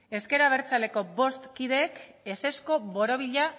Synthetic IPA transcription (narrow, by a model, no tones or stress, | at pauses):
e̞ske̞ɾaβ̞e̞ɾt͡sale̞ko̞bo̞st̪kiðe̞kese̞sko̞βo̞ɾo̞β̞iʎa